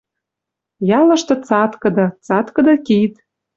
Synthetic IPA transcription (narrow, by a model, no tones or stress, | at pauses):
jɑlɤ̆ʃt̪ɤ̆t͡sɑt̪kɤ̆d̪ɤ̆t͡sɑt̪kɤ̆d̪ɤ̆kit̪